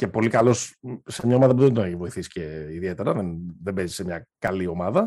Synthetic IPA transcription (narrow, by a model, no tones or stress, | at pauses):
ce̞po̞likɐlo̞ssemɲɐo̞mɐðɐp̬uðend̪oneçivo̞iθisi̥ceiðie̞t̪e̞ɾɐðenðe̞bezi̥se̞mɲɐkɐlio̞mɐðɐ